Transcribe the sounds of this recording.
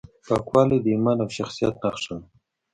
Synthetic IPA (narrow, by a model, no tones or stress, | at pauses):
pɑkwɑled̪imanawʃaxsijat̪̚naxʂən